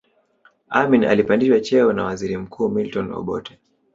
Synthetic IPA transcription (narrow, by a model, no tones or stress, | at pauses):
amina̰lipandiʃwat͡ʃɛɔnawaziɾim̩kʰuːmiltɔnɔ̰ɓɔ̰tɛ̥